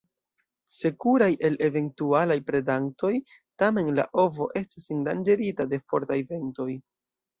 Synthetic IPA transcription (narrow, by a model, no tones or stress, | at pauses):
se̞kuɾajʔe̞le̞ve̞ntualajpɾe̞daŋ̚to̞j | tame̞nla̰ʔo̞vo̞̰ʔe̞stisendand͡ʒe̞ɾitade̞fo̞ɾtajve̞nto̞j